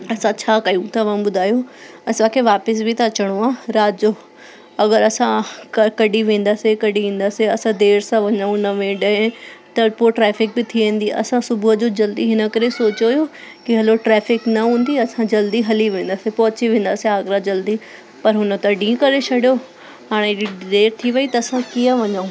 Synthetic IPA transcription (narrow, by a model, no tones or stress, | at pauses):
ɐsãt͡ɕʰaːkɐjũt̪aʋɐmbʊd̪ʱaːjo | ɐsãkʰeʋaːpɪs̬bʱɪt̪at͡ɕɐɽ̃oaːɾaːd͡ʑo | ɐɡəɾɐsãkɐkɐɖiʋẽːn̆d̪aːsekɐɽiʋĩːn̆d̪aːseɐsãd̪eːɾsãʋɐɲəũnɐʋẽːɖəẽt̪ɐpoʈɾɛːfɪk̚bɪt̪ʰiʋẽːn̆d̪iʔɐ̰sãsʊbʊɦəd͡ʑoːd͡ʑɐld̪iɦɪnə̆kɐɾesoːt͡ɕojokiɦɐloʈɾɛːfɪknɐɦũːn̆d̪iɐsãd͡ʑɐld̪iɦɐliʋẽːn̆d̪asepɐɦʊt͡ɕiʋẽːn̆d̪aːsiaːɡɾad͡ʑɐld̪i | pɐɾɦʊnə̆t̪ɐɖĩːə̃kɐɾet͡ʃʰɐɽijo | ɦaːɽ̃eid̪eːɾt̪ʰiʋɐit̪ɐɐsãkijəʋɐɲaũ